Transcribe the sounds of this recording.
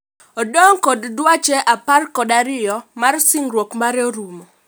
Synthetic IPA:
ɔdɔŋkɔddwat͡ʃɛʔaparkɔdaɾɪjɔmarsɪŋrwokmaɾɛoɾumo

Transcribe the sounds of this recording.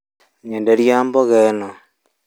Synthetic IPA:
ɲendeɾjaːmboɣeno

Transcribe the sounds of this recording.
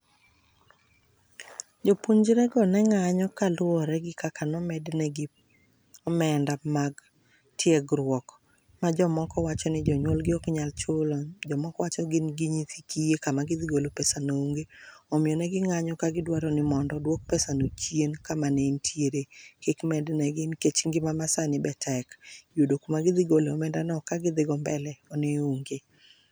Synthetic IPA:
d͡ʒopuɲd͡ʒɾɛɡɔnɛŋaɲɔkalʊɔɾɛɡɪkakʰanɔmɛdnɛɡɪ | ɔmɛndamaɡ | tʰjeɡɾwɔk | mad͡ʒɔmɔkɔwat͡ʃɔnɪd͡ʒɔɲwolɡɪɔkɲalt͡ʃolɔd͡ʒɔmɔkɔwat͡ʃɔɡɪnɡɪɲit̪ikijekamaɡɪd̪ɪɡolopɛsanouŋɡeɔmɪjɔnɛɡɪŋaɲɔkaɡɪdwaɾɔnɪmɔndɔdwok̚pɛsanot͡ʃjenkamanentʰjeɾekekmɛdnɛɡɪnket͡ʃŋɡɪmamasanɪbɛtʰɛkjodokumaɡɪðɪɡoleɔmɛndanɔkaɡɪd̪ɪɡɔmbɛlɛɔneuŋɡe

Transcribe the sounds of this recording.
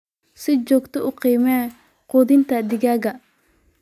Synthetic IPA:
sɪd͡ʒɔːɡt̪ʰɔʊqiːmɛː | quːðɪnt̪ʰɐd̪ɪɣaːɣɐ

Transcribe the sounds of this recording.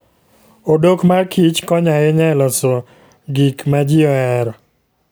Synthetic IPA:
odokmarkʰit͡ʃkɔɲajeɲɛlɔsɔ | ɡikmad͡ʒɪɔɛɾɔ

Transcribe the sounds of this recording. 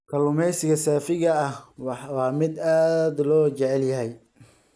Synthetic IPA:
kʰɐlʊmɛjsɪɣɐsaːfɪɣɐɐhwwɑːmɪd̪aːd̪lɔːt͡ʃɛʕɛljɐɦɛj

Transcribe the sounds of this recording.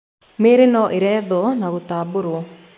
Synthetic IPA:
meːɾenɔʔeɾɛːðɔnaɣot̪aːboɾo

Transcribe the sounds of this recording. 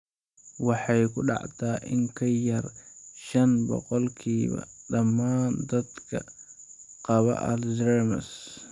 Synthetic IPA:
wɑħɑjkʊɗɑ̰ʕt̪aːʔɪŋkʰɐjɐɾʃɐnbɔ̰qɔlkʰiːβɐ̰ɗɐmːaːnd̪ɐd̪kʰɐ | qɑβɐ̰ʔɐlzɛɾmɐs

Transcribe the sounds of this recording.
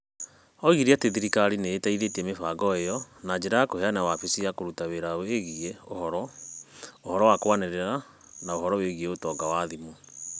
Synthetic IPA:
ɔɣiɾiateðiɾikaɾineːtaiðetiɛmefaɡɔejɔnad͡ʒeɾakoɦeanawafisiakoɾutaweɾaweɣieohɔɾɔ | ohɔɾɔwakwaneɾeɾa | naoɦɔɾɔweɣieotɔːɡawaðimu

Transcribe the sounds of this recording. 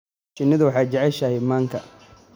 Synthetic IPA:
t͡ʃɪnːɪðʊwɑħɑːt͡ʃɐʕɛʃɐhɛjmaːŋkʰɐ

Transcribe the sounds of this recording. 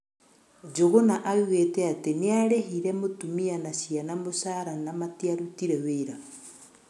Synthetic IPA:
d͡ʒoɣonaʔaɣweteateneaɾehiɾɛmotumianasianamosaɾanamatiaɾutiɾɛweɾa

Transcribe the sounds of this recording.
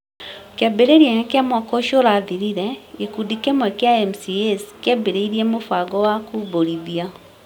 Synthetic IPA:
keabeɾeɾianakeamwakɔʃoɾaðiɾiɾɛɡekudikɛmwɛkeaɛmsiɛskɛbeɾeiɾiɛmofaɡɔwakuboɾiðia

